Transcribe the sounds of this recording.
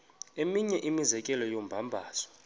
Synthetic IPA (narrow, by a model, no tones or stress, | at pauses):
emiɲɛʔimizɛkʼɛlɔjombʱambʱaːzɔ̥